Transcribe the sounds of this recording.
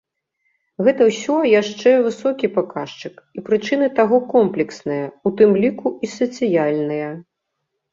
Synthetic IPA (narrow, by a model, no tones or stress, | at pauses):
ɣɛt̪ɐwsʲɔjaʂt͡ʂɛvɨsɔkʲipakaʂt͡ʂɨkipɾɨt͡ʂɨnɨt̪aɣɔkɔmplʲɛksnɨjɐut̪ɨmlʲikuisɐt̪sɨjalʲnɨjɐ